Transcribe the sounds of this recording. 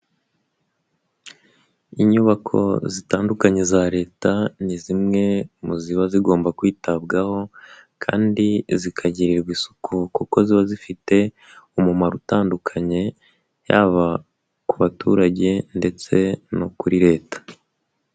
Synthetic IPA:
iɲuβakʰo̞̰zitaːndukaɲe̞zaɾe̞ːtanizimŋe̞muziβaziɡo̞ːmbakwiːtabɡaho̞kʰa̰ːndizikʰaɟiɾiɾɡwisu̥kʰukuko̞ziβazifite̞ | umumaɾutaːndukʰaɲe̞ | jaːβa | kuβatṵɾaɟe̞nde̞t͡se̞nokuɾiɾe̞ːtḁ

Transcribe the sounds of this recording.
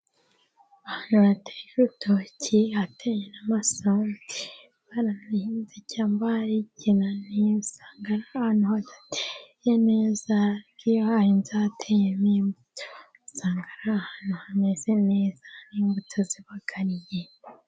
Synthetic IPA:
ahaːnhuatʰejeɾutʰocʰiatʰejenamasanti | βaɾaneinzecaːmbaɾiɟenanisaːŋɡaɾahaːnuhadatʰejene̞ːzaɡiahiːnzaatʰejenimbutʰo | saːŋɡaɾaːhanuhanezeneːzḁniːmbutʰoziβaɡ̥aɾije

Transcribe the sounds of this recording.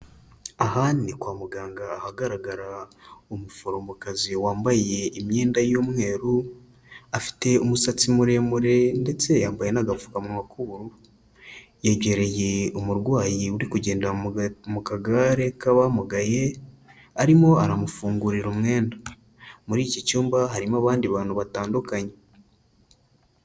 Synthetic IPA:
ahanikwaːmuɡaːŋɡaːhaɡaɾaɡaɾaomufoɾombokaziwaːmbaje̞imɲe̞ːndajomŋe̞ɾu | afi̥te̞umusat͡simuɾe̞muɾe̞nde̞t͡se̞jaːmbaje̞naɡafu̥kamumakuɾu | jeɟe̞ɾe̞je̞umuɾɡwaːjiuɾikuɟe̞ːndamukaɡaɾe̞kaβamuɡaje̞ | aɾimo̞aɾamufuːŋɡuɾiɾumŋe̞ːnda | muɾiːcicuːmbaɦaɾimaβaːndiβaːn̥huβataːndukaɲe̞

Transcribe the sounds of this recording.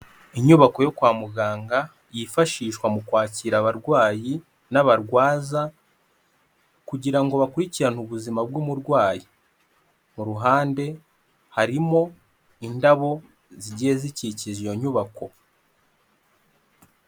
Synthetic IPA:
iɲuβako̞jo̞kwaːmuɡaːŋɡa | jifaʃiːʃkwamukwaːciɾaβaɾɡwaːji | naβaɾɡwaːza | kuɟiɾaŋɡo̞βakuɾiciɾan̥uβuzimab̚ɡumuɾɡwaːji | muɾuɦaːnde̞ | haɾimo̞ | indaβo̞ | ziɟiːziciciʒijo̞ɲuβako̞

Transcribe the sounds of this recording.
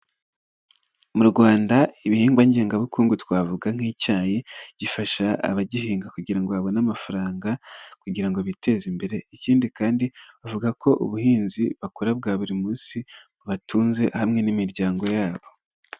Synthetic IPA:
muɾɡwaːndaiβihiːŋɡwaɲɟeːŋɡaβukuːŋɡutwaːvuɡaŋ̥iːcaːjiɟ̥ifaʃaa̰βaɟiɦiːŋɡakuɟiɾaŋɡoaβo̞namafaɾaːŋɡakuɟiɾaŋɡo̞βite̞zimbe̞ɾe̞iciːndikaːndiβavuɡako̞ʔṵβuhiːnziβakoɾab̚ɡaːβuɾimuːnsimuβatʰuːnze̞hamŋe̞nimiɾɟaːŋɡo̞jaːβo̞

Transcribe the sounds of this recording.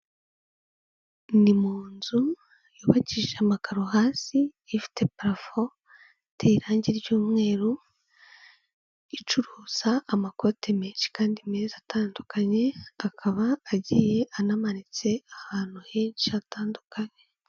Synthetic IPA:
nimuːnzu | juːβaciʒeamakaɾo̞ɦaːsiː | fi̥te̞pɾafo | tʰeiɾaːɲɟiɾjuːmŋe̞ːɾu | it͡ʃuɾuːz̥aːmako̞tʰemeːnʃi̥kaːndimezatʰaːndukʰaɲe̞akʰaβaːɟije̞ʔanamanit͡se̞ahaːn̥uheːnʃiataːndukaɲe̞

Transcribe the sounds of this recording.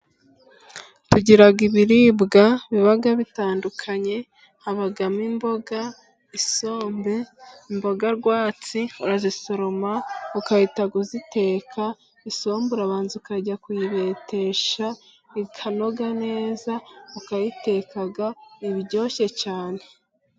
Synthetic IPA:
tuɟiɾaɡiβiɾibɡaβiβaɡaβitaːndukʰaɲe̞ | haβaɡamimbo̞ɡa | isoːmbe̞imbo̞ɡaɾɡwaːt͡siuɾaziso̞ɾo̞maukajitaɡuzite̞ːkʰa | isoːmbuɾaβaːnzukaɟakujiβe̞te̞ʃa | ikʰano̞ɡane̞ːzaukajite̞kaɡaiβiɟoːʃe̞t͡ʃaːne

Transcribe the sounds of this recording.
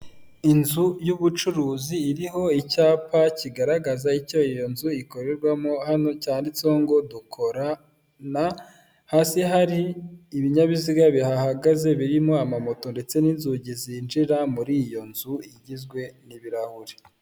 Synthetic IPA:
inzujuβut͡ʃuɾuːziːɾiɦo̞icaːpaciɡaɾaɡazaico̞ijo̞nzuiko̞ɾe̞ɾɡwamohano̞caːndit͡so̞ːŋɡo̞dukʰo̞ɾa | na | haːsiɦaɾiːβiɲaβiziɡaβihahaɡaze̞βiɾimoamamoto̞nde̞t͡se̞niːnzuɟizinʒiɾamuɾijo̞nzuiɟizɡwe̞niβiɾahuɾi̥

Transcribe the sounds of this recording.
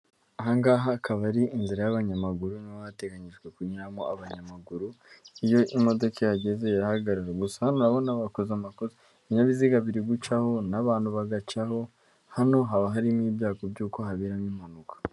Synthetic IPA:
aɦaŋɡaːɦakʰaβaɾiinziɾajaβaɲamaɡuɾunaβaate̞ɡaɲiʒɡwe̞kuɲiamoaβaɲamaɡuɾu | ijo̞ʔimo̞do̞kejaɟe̞ze̞jahaɡaɾaɾaɡusahanonaβo̞naβakozamakuzi | iɲaβiziɡaβiɾiɡut͡ʃaho̞naβaːnhuβaɡat͡ʃaho̞ | hano̞ɦaβaɦaɾimiːbjaːkobɟuːko̞ɦaβiɾaniːmhanukʰḁ

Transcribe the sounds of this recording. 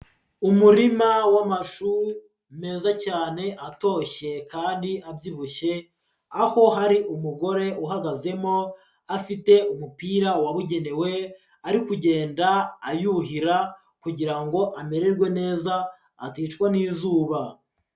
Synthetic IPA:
umuɾimawamaʃuɾ | me̞ːzacaːne̞ʔato̞ːʃe̞kaːndiʔabjiβuʃe̞ | aho̞ɦaɾiʔumuɡo̞ɾe̞ʔuɦaɡaze̞mo̞ | afite̞umupiːɾawaβuɟe̞ne̞we̞ | aɾikuɟe̞ːndaːjuɦiɾa | kuɟiɾaŋɡo̞ʔame̞ɾe̞ɾɡwe̞ne̞ːzaː | tiːt͡ʃkwaniːzuːβa

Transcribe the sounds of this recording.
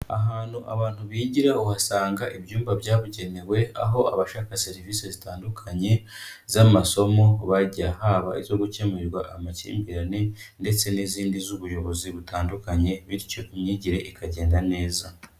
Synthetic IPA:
a̰ɦaːn̥huʔa̰βaːn̥huβiːɟiɾauhasaːŋɡaʔiβjuːmbaβjaːβuɟe̞ne̞we̞a̰ɦo̞a̰βaʃaːkase̞ɾiviːse̞zitaːndukʰaɲe̞ | zamaso̞mo̞βaɟiahaːβaizo̞ɡuce̞meɾɡwaʔamacḭːmbiɾanende̞t͡se̞niziːndizuβujo̞βo̞ziβutaːndukaɲe̞βiɾico̞ʔumɲiːɟiɾe̞ʔikʰaɟe̞ːndane̞ːza

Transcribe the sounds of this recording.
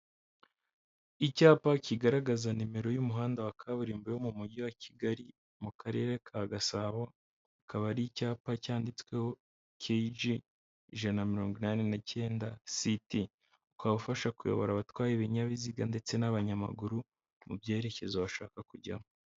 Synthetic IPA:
icaːpaciɡaɾaɡazanime̞ɾo̞jumuɦaːndawakʰaβuɾiːmbejomumuɟiwaciɡaɾi | mukʰaɾe̞̰ɾe̞kʰaɡasaβo | akʰaβaɾiicaːpacaːndit͡swe̞ho | kʰed͡ʒi | iʒanamiɾo̞ːŋɡwinane̞nace̞ːndasiti | ukaβufaʃakujo̞̰βo̞̰ɾaβatwaːjeβiɲaβiziɡande̞t͡se̞naβaɲama̰ɡuɾu | mṵbɟe̞ːɾe̞ce̞zaβaʃa̰ːkakuɟa̰mo

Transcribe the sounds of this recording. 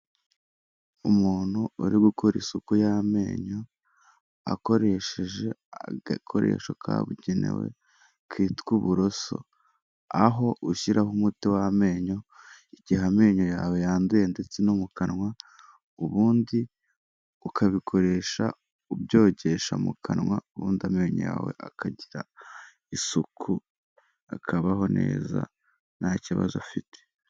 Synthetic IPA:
umuːn̥huuɾiɡukoɾisukujame̞̰ːɲo̞ | a̰ko̞ɾe̞ʃeʒe̞aakʰoɾe̞̰ːʃokʰa̰ːβṵɟenḛwḛ | kʰiːtkuβuɾo̞so̰ | aɦo̞ʔuʃiɾʔaɦumutiwame̞ːɲo̞iɟihame̞ːɲo̞jaːwejaːnduje̞nde̞t͡se̞numukanŋwa | uβuːndi | ukʰaβikʰo̞ɾe̞ʃa̰ | ubjo̞ːɟe̞ʃa̰mṵkʰanŋwauβuːndiame̞ːɲo̰ja̰ːwe̞̰ʔakʰaɟiɾa̰ | isukʰu | akʰaβaɦo̞ne̞̰ːza̰ | nhaciβa̰zofite

